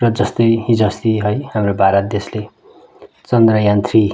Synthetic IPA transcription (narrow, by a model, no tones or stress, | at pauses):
rʌd͡zʌst̪ʌjɦid͡zʌst̪iɦʌjhamrobʱaɾʌt̪̚d̪esle | t͡sʌnd̪rʌjant̪ri